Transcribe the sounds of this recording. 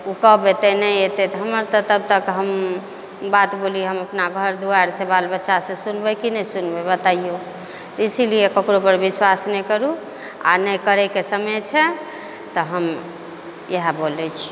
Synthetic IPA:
ukɔbet̪ɛnəjet̪ɛt̪ɦəməɾt̪ət̪əb̚t̪əkɦəm | bat̪boliɦəməpnaɡʱəɾd̪uaɾsẽbalbətːʃasẽsunbɛkinəsunbɛbət̪aijo | t̪ɔisilijekəkɾopəɾbiswasnɛjkəɾu | a̰nəjkəɾɛkesəmət͡ʃʰɛ | t̪ɔɦəm | jeɦabolɛt͡ʃʰi̥

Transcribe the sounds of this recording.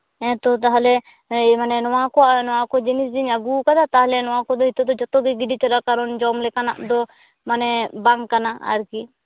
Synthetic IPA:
ɛ̃t̪ɔt̪aɦalɛ | manɛnɔwakɔʔnɔwakɔd͡ʒɛnisd͡ʒiɲaɡukad̪at̪aɦlɛnɔwakɔd̪ɔɦit̪ɔd̪ɔd͡ʒɔt̪ɔɡɛɡiɖit͡ʃɔlakaɾɔnd͡ʒɔmlɛkana̰ʔd̪ɔ | manɛbaŋkanaa̰ɾki

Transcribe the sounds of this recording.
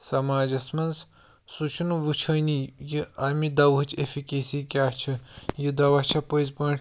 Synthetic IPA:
sɐmaːd͡ʒɐsmɐns | sut͡ʃʰunuʋut͡ʃʰɐnijiɐmid̪ɐʋɦɨt͡ʃʰefʰikʲesiːkʲaːt͡ʃʰijid̪ɐʋɐt͡ʃʰɐpəjzpɐɳʈ

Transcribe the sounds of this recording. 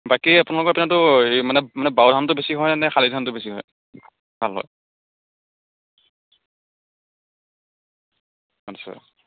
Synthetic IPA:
bakiapʊnalɔkɔapunatʊmanɛmanɛbawdʱantʊbesiɦɔjanɛxalidʱantʊbesiɦɔ̰j | bʱalɦɔ̰j | atsa̰

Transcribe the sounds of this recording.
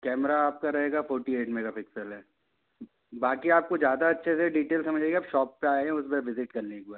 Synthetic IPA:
kɛːmɾaːp̚kaɾɐɦeːɡafɔːɾʈieːʈmẽkapɪksəlɦɛː | baːkiaːp̚kod͡ʒjaːd̪aɐtːʃʰeseɖiːʈeːlsɐməd͡ʒʱeːɡeaːpʃɔːpːeaːjeɦɛ̃ʊsbɛʋɪzɪʈkɐɾlẽeːk̚baːɾ

